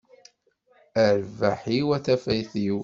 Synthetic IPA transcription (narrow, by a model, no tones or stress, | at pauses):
əɾvaħiwæθæfæjθiw